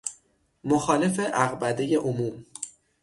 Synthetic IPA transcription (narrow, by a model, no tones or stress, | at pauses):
moxɒːle̞fe̞ʔæɣbæd̪eje̞ʔomuːm